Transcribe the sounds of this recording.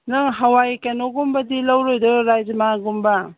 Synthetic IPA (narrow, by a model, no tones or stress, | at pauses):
nɯŋɦawajkanoɡumbadilawɾojdɔɾajzmaɡumba